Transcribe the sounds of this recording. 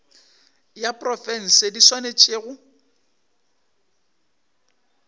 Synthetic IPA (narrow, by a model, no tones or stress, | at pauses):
japʼrɔfɛn̩sediswanet͡ʃʼeːɣʊ